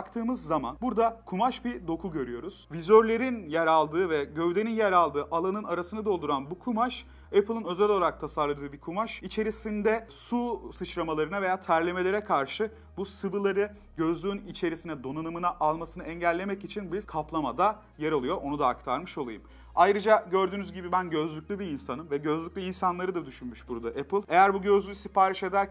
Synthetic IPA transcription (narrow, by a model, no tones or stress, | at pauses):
akt̪ʰɯːmɯzːama̰nbuɾd̪akʰumaʃbid̪o̞kʰuɟø̞ɾyjo̞ɾuz̥vizøɾlʲe̞ɾinjɛɾalˠd̪ɯːvɛɟø̞vd̪e̞ninjæɾalˠd̪ɯːʔalˠanɯnaɾasɯnɯad̪o̞lˠd̪uɾanbukʰumaʃ | ɛpʰɯlˠɯnø̞zɛlʲolˠaɾak̚t̪ʰasaɾlˠad̪ɯːbikʰumaʃit͡ʃʰe̞ɾisind̪ɛsusɯt͡ʃlamalˠaɾɯnave̞jaːt̪ʰæɾlʲe̞me̞lʲe̞ɾɛkʰaɾʃɯ | busɯbɯlˠaɾɯ | ɟø̞zlʲyynit͡ʃʰe̞ɾisinɛd̪o̞nanɯmɯnaʔalˠmasɯnɯɛɲɟælʲːe̞mɛcit͡ʃʰinbiɾkʰaplˠamad̪a | jeɾalˠɯjo̞ʔo̞nud̪aːk̚t̪ʰaɾmɯʃo̞lˠajɯm | ajɾɯd͡ʒaɟø̞ɾd̪yːnyzɟibibænɟø̞zlʲyc̚ʲlʲybiinsanɯmvɛɟø̞zlʲycʲlʲyinsanlˠaɾɯd̪ad̪yʃynmyʃbuɾd̪aʔepʰɯlˠe̞jæɾbuɟø̞zlʲysipaːɾiʃe̞d̪æɾ